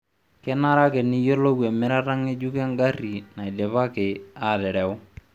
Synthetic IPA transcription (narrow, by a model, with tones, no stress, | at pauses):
kɛ˦na˦ɾa˦ke˨ni˦jo˦lo˦ke˨mɪ˦ɾa˦ta˦ŋe˦d͡ʒu˦kɛ˦ŋɡa˦ri˨na˨i˨de˨βa˦kɪ˨a˦˨dɛ˨ɾɛ˦ʊ˦